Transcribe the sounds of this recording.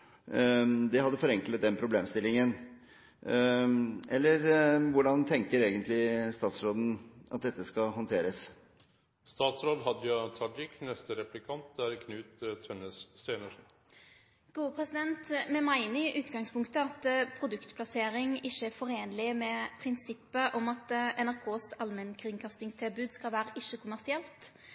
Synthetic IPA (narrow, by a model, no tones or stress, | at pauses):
d̪ɛɦɑd̪ːəfɔɾɛŋklət̪̚d̪ɛnpʰɾʊbleːmst̪ɪlːɪŋən | ɛlːəɾʋʊɖɑnt̪ʰɛŋkəɾeːɡənt̪lɪst̪ɑːt̪sɾoːd̪n̩ʔɑt̪̚d̪ɛt̪ːəskɑɦɔnt̪ʰeːɾəs | st̪ɑːt̪sɾoːd̪ɦɑd̪jɑt̪ʰɑɖɪknɛst̪əɾɛplɪkʰɑnt̪̚d̪æɾkʰnʉːt̪t̪ʰːœnəsːseːnəʂn | ɡ̥uːəpʰʁɛsɪd̪ɛnt̪mɛmæɪnɪʔʉːt̪ɡɑŋspʰʊŋkt̪əɑt̪pʰɾʊd̪ʉkt̪pʰlɑseːɾɪŋɪʃːəæfɔɾeːnlɪmɛpʰɾɪnsɪpːəʔɔmɑt̪ʔɛnæɾkʰoːsɑlmɛnkʰʁɪnkʰɑst̪ɪŋst̪ʰɪlbʉːd̪skɑlʋæːɾəʔɪʃːəkʰʊmæʁsɪɛlt̪